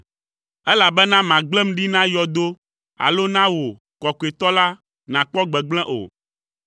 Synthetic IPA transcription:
ɛ˦la˨bɛ˦nã˦mã˨ɡ͡blɛ̃˦m̩̃˦ɖi˦nã˦jɔ˨d̪o˦ | a̰˨lo˦nã˦wo˨ | kɔ˨ku˨e˨t̪ɔ˦la˦ | nã˨k͡pɔ˦ɡ͡bɛ˨ɡ͡blɛ̃˦ʔo̰˨

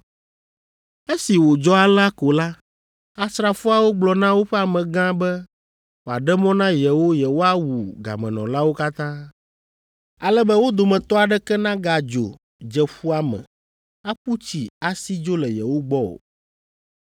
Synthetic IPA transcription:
e˦si˨wo˨d͡ʒɔ˦a˨la˦ko˨la˦ | a˦sɾa˨fu˦a˨wo˦ɡ͡blɔ˨nã˦wo˦ɸɛ˦a˨mɛ̃˨ɡã˦bɛ˦ | wo˨a˨ɖɛ˦mɔ̃˦nã˦jɛ˨wo˦jɛ˨wo˦a˦wu˨ɡa̰˨mɛ̰̃˨nɔ̰̃˨la˦wo˦ka˦t̪ã˦ | a̰˨lɛ˦bɛ˦wo˦d̪o˨mɛ̃˨t̪ɔ˦a˨ɖɛ˦kɛ˦nã˦ɡa˨d͡ʒo̰˨ | d͡ʒɛ˨ɸu˦a˦˨mɛ̰̃˨ | a˦ɸu˦t͡ɕi˨a˨si˦d͡ʒo˦lɛ˨jɛ̰˨wo˦ɡ͡bɔ˦o̰˨

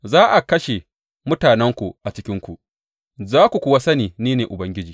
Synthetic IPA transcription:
zaː˦ʔa˨kɐ˦ʃe˨ | mʊ˦taː˨nɛ˦ŋkʷu˨ʔa˨t͡ʃɪ˦kʲɪ˦ŋkʷu˨ʔ | zaː˦kʷu˨kʷʊ˦wa˦sɐ˦niː˨niː˦neː˨ʔʊ˨bɐ˦ŋɡʲɪ˦d͡ʒiː˨

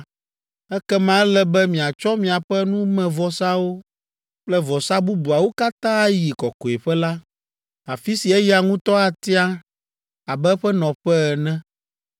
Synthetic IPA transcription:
ɛ˦kɛ˦mã˦ɛ˦lɛ˦bɛ˦mĩ˨a˨t͡ʃɔ˦mĩ˨a˨ɸɛ˦nũ˦mɛ̃˨vɔ˨sa˦wo˦ | k͡plɛ˦vɔ˨sa˦bu˦bu˨a˨wo˦ka˦t̪ã˦a˦ji˨kɔ˨ko˨e˨ɸɛ˦la˦ | a˨fi˦si˨ɛ˦ja˨ŋũ˦t̪ɔ˦a˨t̪i˦a˦ | a˨bɛ˦ɸɛ˦nɔ̃˨ɸɛ˦ɛ˨nɛ̃˦

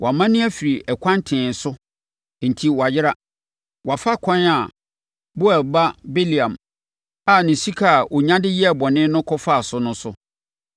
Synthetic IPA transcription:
wʔa˨mã˦nɪ̃˦æ˦fi˨ɾi˨ʔɛ˨kʰʷã˦n˦tʰɪ̃˨n̩˨sʊ˦ | n̩˨tʰi˦wɔ˨a˨jɪ˦ɾa˦ | wa˨fa˦kʰɔ̃˦na˨ | bʊ˦ɛ˨ba˦be˦li˨ã˨m | a˨nɪ̃˨si˦kʰa˦˨o˨ɲã˦dɪ˦jɛ˦ɛ˨bɔ˨nɪ̃˦nʊ̃˦kʰɔ˦fa˦˨sʊ˦nʊ̃˦sʊ˦

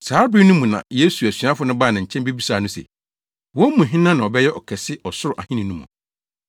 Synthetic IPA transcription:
saː˨˦bɪ˦nũ˦mũ˨nã̰˨je˦su˨æ˨sɥa˦fʊ˨˦nʊ̃˦baː˦˨nã˨ɲ̩˨t͡ɕʰɛ̃˦mbe˦bi˦saː˨nʊ̃˦sḛ˨ | wɔ̃˦mũ˨ɦɪ̃˦nã˦nã˨ɔ˨bɛ˦jɛ˦ʔɔ˨kʰɛ˨sɪ˦ɔ˨sʊ˦ɾʊ˨ʔa̰˨hɪ̃˦nĩ˨nũ˦mɔ̰̃˨

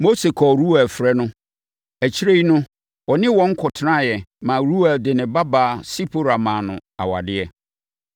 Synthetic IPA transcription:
mo˦se˨kʰɔ˨ɾu˦wa˨fɾɛ˦nʊ̃˦ | æ˨t͡ɕʰi˦ɾe˦i˦nʊ̃˦ | wɔ˨nɪ̃˦wɔ̃˦ŋ̩˦kʰɔ˨tʰnã˦˨jɛ˨mã˨ɾu˦wa˨dɪ˨nɪ̃˨ba˦baː˨si˦pʰo˦ɾa˨mã˨nʊ̰̃˨a̰˨wa̰˨dɪ˦ɛ˨

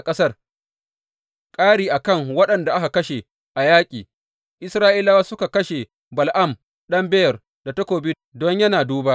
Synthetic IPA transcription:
kʼɐ˦sɐ˦r | kʼaː˦ɽiː˨ʔa˨kɐ˦˨ŋwɐ˦ɗɐ˨nda˨ʔa˦ka˨kɐ˦ʃe˨ | ʔa˨jaː˦kʲʼiː˨ | ʔɪ˦sɾaː˦ʔi˦la˦waː˦sʊ˦ka˨kɐ˦ʃe˨ | bɐ˨lʔɐ˦˨m | ɗɐ˦mbɛ˦jɐ˨r | da˨tɐ˦kʷoː˨bi˦ | dɔ˦ɲjɐ˦naː˨duː˦baː˦

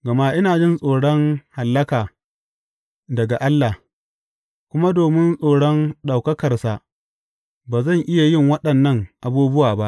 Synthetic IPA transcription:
ɡɐ˨ma˦ʔɪ˦naː˨d͡ʒɪ˦nsʼoː˨ɽɔ˦ŋha˨lːɐ˦kaː˨ | dɐ˨ɡa˨ʔa˦lːaː˨h | kʷʊ˦ma˦doː˨mɪ˦nsʼoː˨ɽɔ˦nɗa˨wkɐ˦kɐ˨rsa˨ʔ | baː˨zɐ˦˨ŋʔɪ˦ja˨jɪ˦˨ŋwɐ˦ɗɐ˨nːɐ˦ŋʔa˨buː˦bʊ˦waː˨ba˦ʔ

